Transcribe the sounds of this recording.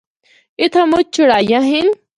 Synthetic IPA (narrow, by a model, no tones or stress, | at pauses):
ɪt̪ʰãmʊt͡ʃ̚t͡ɕʰʊɽaːjãɦin